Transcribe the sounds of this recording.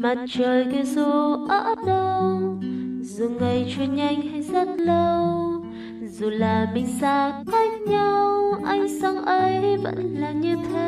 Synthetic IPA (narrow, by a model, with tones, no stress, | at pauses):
ma˨˩t̚t͡ɕəː˨˩jk̪i˧zu˨˩ʔəː˧˥ɗə˧w | zu˨˩ŋa˨˩jt͡ɕwḭ˨˧˨ənɲa˧jŋ̟ha˧˦jzə˦˥t̚lə˧w | zu˨˩laː˨˩ɓï˨˩ŋ̟zaː˧˩kaː˦˥jk̚ɲa˧wʔa˧jŋ̟sa˧ŋʔə˨˧˦jvə̰˧˥nlaː˨˩ɲɨ˧t̪ʰe˧˦